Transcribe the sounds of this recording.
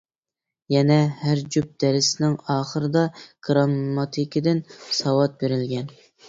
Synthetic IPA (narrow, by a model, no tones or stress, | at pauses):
jɛnɛhæɾd͡ʒyp̚d̪̥ɛɾɪsɪnɪŋɑːχəɾɨd̪ɑɡ̥ɾɑmːɑt̪ʰɪkʲɪd̪ɪnsɑwɑt̪̚beɾɪlɡʲɛn